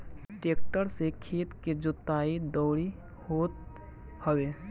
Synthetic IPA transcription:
ʈeːk̚ʈəɾsekʰeːt̪ked͡ʒʊt̪ːaːid̪ɔːɽi | hoːt̪ | həʋe

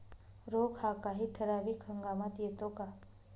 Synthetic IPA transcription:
ɾoːkhakaɦit̪ʰəɾaːʋikʰəŋɡaːmat̪jet̪oka

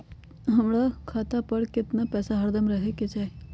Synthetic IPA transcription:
ɦɐmɾakʰaːt̪apɐɾkɪt̪napɛːsaɦɐɾd̪əmɾɐɦeket͡ʃaːe

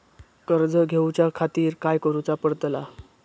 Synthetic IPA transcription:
kəɾd͡zəɡʱewt͡ɕjakʰat̪iːɾkajkəɾut͡sapəɽt̪la

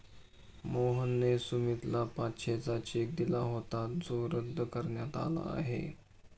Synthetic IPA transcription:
moɦənːesumit̪lapatːɕʰet͡sat͡ɕːk̚d̪ilaɦot̪at̪̚d͡zoɾəd̪ʱːəkəɾɳjat̪a̰la̰ːɦḛ

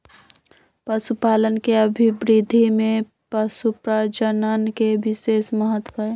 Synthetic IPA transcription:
pəsupaːlənkeəbʱibɾid̪ʱimẽ | pəsupɾad͡ʒənənkebɪseːsməɦət̪ːwəe

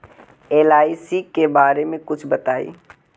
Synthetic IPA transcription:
eːlaːisikebaːɾemẽkʊt͡ʃʰbɐt̪aːḭː

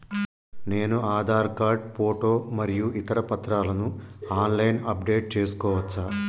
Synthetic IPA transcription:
ne̞ːnuaːd̪ʱaːɾkaːɾɖ̚poːʈoːmɐɾijuʔit̪ɐɾɐpɐt̪ːɾaːlɐnuaːnlɐjnɐp̚ɖe̞ːʈ̚t͡ʃe̞ːsu̥kɔːʋɐt͡ʃːaː

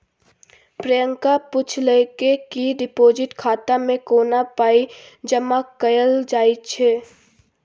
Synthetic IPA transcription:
pɾəjə̃ŋkapʊt͡ʃʰlekekiɖɪpoːd͡ʒɪʈkʰaːt̪amẽkoːnapaːid͡ʒəmakəjəld͡ʒaːit͡ʃʰeː

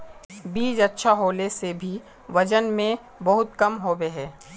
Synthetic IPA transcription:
biːd͡ʒɐtːʃʰaɦoːlesebʱi | ʋɐd͡ʒənmẽ | bɐɦʊt̪kɐmɦoːbeɦɛ̃ː

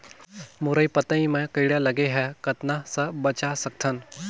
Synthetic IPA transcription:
muɾəjpət̪ə̃ĩməkəjɽjalaɡeɦɛkət̪nasəbət͡ɕasɐk̚t̪ʰən

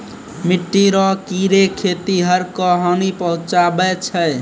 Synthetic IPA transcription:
miʈːiɾɔkiɾekʰet̪iɦəɾkəɦɔnipəɦũt͡ʃabɛt͡ʃʰəj

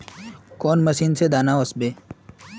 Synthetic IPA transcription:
koːnmɐsiːnsed̪aːnaosbeː

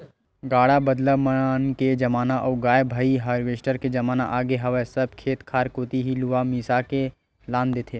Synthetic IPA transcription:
ɡaːɽabəd̪ləmənked͡ʒɐmaːnaʔɔːɡaːjbʱaːiɦaːɾʋeːʃʈəɾked͡ʒɐmaːnaʔaːɡeɦɐʋɛsɐb̚kʰeːt̪kʰaːɾkoːt̪iɦiluʋamiːsake | lãːnd̪eːt̪ʰeː

